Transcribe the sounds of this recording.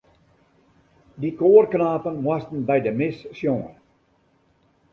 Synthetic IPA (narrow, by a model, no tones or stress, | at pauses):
dikoːrknaːpənʋɑstən̩bɛjdəmɪssjɔŋə